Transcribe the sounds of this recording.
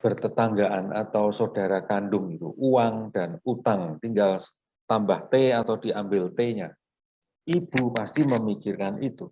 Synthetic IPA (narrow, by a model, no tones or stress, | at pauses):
b̥ərt̪ət̪aŋɡaʔana̰t̪awsod̥aɾakanɖʊŋɡit̪ṵʔuwaŋd̥anut̪aŋt̪iŋɡal | t̪ambaht̪eat̪awd̥iambɪlt̪eɲa | ʔib̥umast̪iməmikirkanʔit̪u